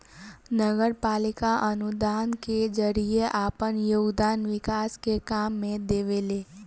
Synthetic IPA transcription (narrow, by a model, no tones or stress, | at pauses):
nəɡəɾpalɪkaʔənud̪aːnked͡ʒəɾieʔapənjoːɡd̪aːnʋɪkaskekamːẽd̪eʋele